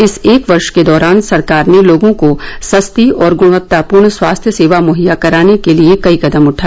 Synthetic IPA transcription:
ɪseːkʋɐɾʃked̪ɔːɾaːnsɐɾkaːɾneloːɡõkosɐst̪iɔːɾɡʊɽ̃ʋət̪ːapuːɾɳswaːst̪ʰjəseːʋamoːɦijakɐɾaːnekeliekɐikɐd̪əmʊʈʰaːɛ

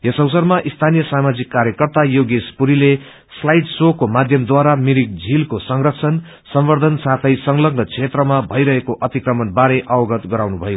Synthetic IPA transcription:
jesʌwsʌrmaʔist̪ʰanijʌsamad͡zikːaɾjʌkʌrt̪ajoɡespuɾile | slajɖsokomad̪ʱjʌmd̪waɾamiɾik̚d͡zʱilkosʌŋrʌkt͡sʰʌn | sʌmwʌrd̪ʱʌnsat̪ʰʌjsʌŋlʌɡnʌt͡sʰet̪rʌmabʱʌjɾʌɦekoʔʌt̪ikrʌmʌnbaɾeʔʌwʌɡʌt̪ɡʌɾawnubʱʌjo

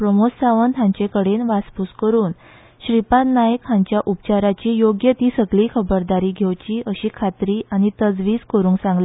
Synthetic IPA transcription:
pɾəmossaʋənt̪jãɲt͡ɕekəɽenʋaspuskəɾuːn | ɕɾipat̪najəkɦãɲt͡ɕjaʔup̚t͡ɕaɾat͡ɕiːjoɡjət̪iːsəɡliːkʰəbəɾd̪aɾiːɡʱewt͡ɕiːəɕiːkʰat̪ɾiːʔañit̪əd͡zʋiːd͡zkəɾũːŋɡsãŋɡle

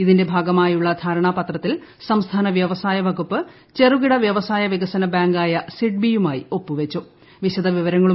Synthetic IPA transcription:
iðinde̞bʱaːɡɐmaːjuɭːɐd̪ʱaːɾɐɳaːpɐt̪rɐt̪ːil | sɐmst̪ʰaːnɐʋjɐʋɐsaːjɐʋɐɡupːɨ | t͡ɕe̞ruɣiɽɐʋjɐʋɐsaːjɐʋiɣɐsɐnɐbaːŋɡaːjɐsiʈ̚bijumaːjio̞pːuʋet͡ɕːu | ʋiɕɐd̪ʱɐʋiʋɐɾɐŋːɐɭu

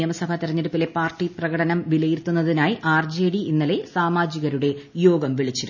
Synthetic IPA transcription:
jɐmɐsɐbʱɐt̪iɾɐɲːeɽupːile̞paːrʈːiprɐɣɐɽɐnɐmʋilɐjirt̪ːunːɐðinaːjiʔaːrd͡ʑeːɽiʔinːɐle̞saːmaːd͡ʑiɣɐɾuɽe̞jo̞ːɡɐmʋiɭit͡ɕːiɾu

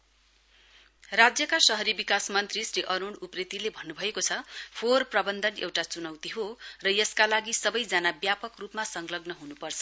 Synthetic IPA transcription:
rad͡zjʌkasʌɦʌɾibikasmʌnt̪risriʔʌɾoɽuprit̪ilebʱʌnːubʱʌekot͡sʰʌpʰorprʌbʌnd̪ʱʌnḛwʈat͡sunʌwt̪iɦorʌjʌskalaɡisʌbʌjd͡zanabjapʌkrupmasʌŋɡlʌɡnʌɦunupʌrt͡sʰʌ̥

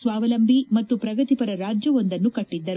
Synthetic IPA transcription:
sʋaːʋɐlɐmbʱimɐt̪ːupɾɐɡɐt̪ipɐɾɐɾaːd͡ʒjɐʋo̞nd̪ɐnːukɐʈːid̪ːɐɾu

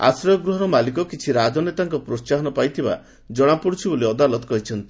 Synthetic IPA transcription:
a̰sɾɔjɔɡɾuɦɔɾɔmalikɔkit͡ʃʰiɾad͡ʒɔnet̪aŋkɔpɾost͡ʃaɦɔnɔpajt̪ʰiba̰ | d͡ʒɔɽ̃apuɽut͡ʃʰiboliɔd̪alɔt̪ɔ̥kɔɦit͡ʃʰɔnt̪i̥

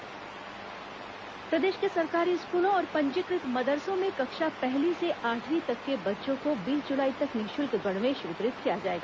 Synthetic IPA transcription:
pɾɐd̪eːʃkesɐɾkaːɾiʊskuːlõɔːɾpɐ̃ɲt͡ʃɪkɾɪt̪mɐd̪əɾsõmẽkɐkʃapɛɦliseʔaːʈʰʋit̪ɐkːebɐtːʃõkobiːld͡ʒʊlaːit̪ɐknɪʃʊlkɡɐɽ̃mẽʃʋɪt̪ɾɪt̪kijad͡ʒaːeːɡaː

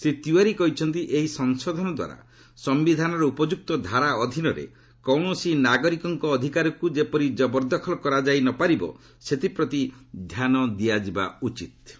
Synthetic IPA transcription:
set̪uaɾikɔɦit͡ʃʰɔnt̪iʔeɦisɔŋsɔd̪ʱɔnɔd̪wa̰ɾa̰ | sɔmbid̪ʱanɔɾɔupɔd͡ʒuk̚t̪ɔd̪ʱaɾaɔd̪ʱinɔɾḛ | kɔwɳɔsinaɡɔɾikɔŋkɔːd̪ʱikaɾɔkud͡ʒepɔɾid͡ʒɔbɔɾd̪ɔkʰɔlɔkɔɾad͡ʒajnɔpaɾibɔ̰ | set̪ipɾɔt̪id̪ʱjanɔd̪ijad͡ʒiba̰ut͡ʃit̪̚

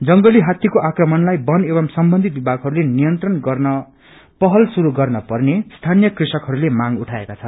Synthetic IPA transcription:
d͡zʌŋɡʌliɦat̪jʌkoʔakrʌmʌnlajbʌneβʌmsʌmbʌnd̪ʱit̪̚bibʱaɡɦʌɾulenijʌnt̪rʌnɡʌrnʌ | pʌɦʌlsuɾuɡʌrnʌpʌrnest̪ʰanjʌkrisʌkɦʌɾulemaŋuʈʰaekat͡sʰʌ

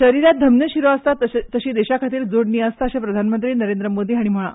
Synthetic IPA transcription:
ɕəɾiɾjat̪̚d̪ʱəmnjəɕiɾoəst̪at̪əɕiːd̪eɕakʰat̪iːɾd͡zoɽniəst̪aəɕapɾəd̪ʱanmənt̪ɾiːnəɾend̪ɾəmod̪iːɦaɽ̃im̤əɭ̃ã̰

